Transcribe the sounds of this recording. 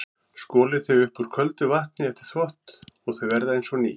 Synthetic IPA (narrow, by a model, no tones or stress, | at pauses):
skɔːlɪθœjʏhpʏɾ̥kʰvœlt̪ʏvaht̪̚nɪɛft̪ɪ̥ɾ̥θvɔht̪ɔɣθœɥvɛɾðaejnsɔniː